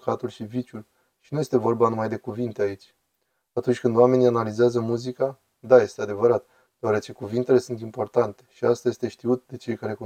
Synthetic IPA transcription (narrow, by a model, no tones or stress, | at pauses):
kat̪ulʃivit͡ʃul | ʃi̥nuje̞st̪e̞vo̞rbanumajd̪e̞kuvint̪e̞ait͡ʃʲ | at̪unt͡ʃʲkɨnd̪oame̞nianalizeazəmuzika | d̪aje̞st̪e̞ad̪e̞vəɾat̪ | d̪̥eaɾe̞t͡ʃe̞kuvint̪e̞le̞sunt̪impo̞rt̪ant̪e̞̥ʃiast̪aje̞st̪e̞ʃt̪iut̪̚d̪e̞t͡ʃe̞jkaɾe̞ku